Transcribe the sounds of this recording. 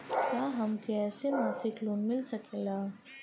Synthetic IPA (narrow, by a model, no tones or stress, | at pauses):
t̪aːɦɐmkɛːsemaːsɪkloːnmɪlsɐkeːɡaː